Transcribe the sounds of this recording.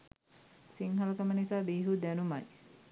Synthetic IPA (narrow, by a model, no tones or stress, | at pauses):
siŋɦalkəmənisabiɦud̪anumaj